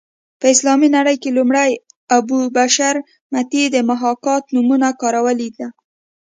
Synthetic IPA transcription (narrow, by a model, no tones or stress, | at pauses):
pəɪslɑminaɽəjkelumɽəj | abubaʃaɾ | mat̪id̪əmaɦɑkɑt̪numunakɑɾawəlid̪a